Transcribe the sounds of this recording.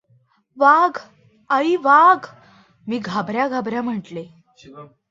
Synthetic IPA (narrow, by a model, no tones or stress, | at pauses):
ʋaɡ | aɾiʋaɡ | miːɡʱabɾjaɡʱabɾjam̤əʈle